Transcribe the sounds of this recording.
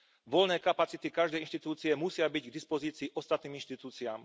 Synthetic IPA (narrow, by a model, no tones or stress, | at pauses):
ʋɔlnɛːkapat͡sit̪ikaʒd̪ɛjinʃt̪it̪uːt͡siɛmusɪabiɟɡd̪ispɔziːt͡siːʔɔst̪at̪̚niːminʃt̪it̪uːt͡siaːm